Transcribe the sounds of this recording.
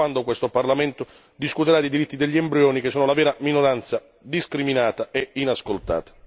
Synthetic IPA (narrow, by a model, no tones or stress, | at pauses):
and̪okwest̪oparlament̪ʊ | d̪iskut̪eɾad̪id̪iɾit̪ːid̪eʎːiembɾeoːnikesːoːnolavɛːɾaminoɾant̪sa | d̪iskɾiminaːt̪aeinaskolt̪a̰ːt̪ḁ